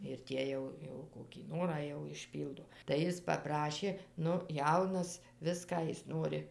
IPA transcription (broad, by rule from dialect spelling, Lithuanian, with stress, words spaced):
ɪr ˈtʲiɛ jɛʊ ˈjɛʊ koːkʲiː ˈnoːrɑː jɛʊ ɪʃʲˈpʲiːlˠdoː tɐɪ ˈjɪs pɐˈprɑːʃʲeː ˈnʊ ˈjɛʊnɐs ˈʋʲɪskɑː ˈjɪs ˈnoːrʲɪ